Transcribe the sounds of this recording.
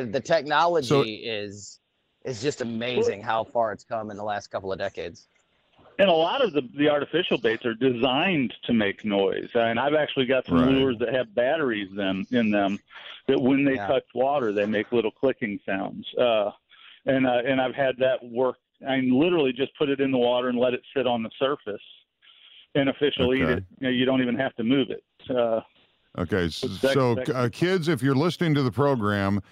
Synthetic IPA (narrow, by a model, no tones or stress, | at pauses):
ðɨtʰɛk̚nɑlˠəsd͡ʒoiʊɪz | ʔɨzd͡ʒʌstɨmeɪzɪ̃ŋhaʊfɑɹɨtskʰʌ̃m̃nðəlæstkʰʌpl̩ˠʌvdɛkeɪdz̥ | ɨ̃nəlɔɾʌvðɨðiɑɹɾɨfɪʃl̩ˠbeɪtsə˞dɨzãɪ̃ntʰɨmeɪknɔɪz̥ɨ̃naɪvæk̚t͡ʃʉl̩ˠiɡɑtsʌ̃mluə˞zðɨt̚hɨvbæɾə˞izðɨ̃mɪ̃nðɨ̃mðɨt̚wə̃nðeɪtʰʌt͡ʃwɔɾə˞ðeɪmeɪklɪɾl̩ˠkʰl̥ɪkɪ̃ŋsãʊ̃ndz̥ʌ | ɨ̃nʌɨ̃naɪv̥ɨd̪̚ðɨt̚wɜ˞k̚ | amĩnlɪɾə˞l̩ˠid͡ʒʌspʰʊɾɨɾɨ̃nðəwɔɾə˞ɨ̃nlɛɾɨtsɪɾn̩ðəsɜ˞fɨs | ɨ̃ñɨfɪʃl̩ˠiiɾɪt̚ɨjɨɾõʊ̃ntivɨ̃nhæftɨmʉvɪ̰t̚ʌ | ʔo̰ʊkʰeɪsoʊʌkʰɪdzɨfjə˞lɪsnɪ̃ŋtɨðɨpʰɹ̥oʊɡɹæ̃m